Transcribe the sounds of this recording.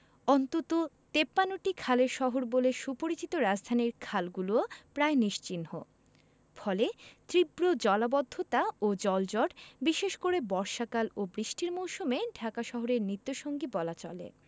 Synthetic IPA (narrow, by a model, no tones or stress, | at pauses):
ɔnt̪ot̪o | t̪epːanoʈikʰaleɾʃɔɦoɾboleʃupoɾit͡ɕit̪oɾad͡ʑd̪ʱaniɾkʰalɡulopɾaeniʃt͡ɕinho̰ | fɔlet̪ɾibɾod͡ʑɔlabɔd̪ʱːot̪aod͡ʑɔld͡ʑɔʈbiʃeʃkoɾebɔɾʃakalobɾiʃʈiɾmowʃumeɖʱakaʃɔɦoɾeɾnit̪ːoʃoŋɡibɔlat͡ɕɔ̰lḛ